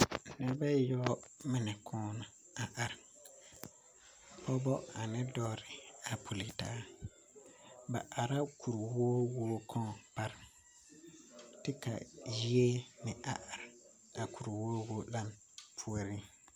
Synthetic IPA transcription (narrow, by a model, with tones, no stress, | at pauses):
nɛ˨˦ba˦jɔ˦mɪ˦nɛ˨kʰʊː˦na˨ | a˨ʔa˨ɾɪ˨ | pɔ˦bɔ˦a˨nɪ˦dɔː˦ɾɪ˨a˨pʰu˨lɪ˨ta̰ː˦ | ba˨ʔa˨ɾa˦kʰu˨ɾwoː˦woː˦kʰɔ̃˦˨pa˦ɾɪ˨ | tɪ˦ka̰˨ji˦e˦nɪ˨ʔa˨ʔa˨ɾ | a˨ku˨ɾwoː˦woː˦la˦˨m | pʰu˦o˦ɾi˦